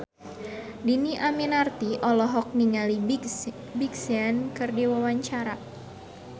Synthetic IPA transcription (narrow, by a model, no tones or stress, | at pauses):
diniʔaminart̪iʔɔlɔɦɔk̚niŋali | biksiankɨrdiwawaɲt͡ʃaɾa